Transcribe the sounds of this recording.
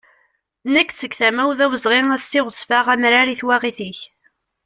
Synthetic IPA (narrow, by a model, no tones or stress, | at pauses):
nəkːsəɡθæmæwðæwəzʁeŋæst̪ːɪʁəsˤfaʁæmɾaɾiθwæʁiθiç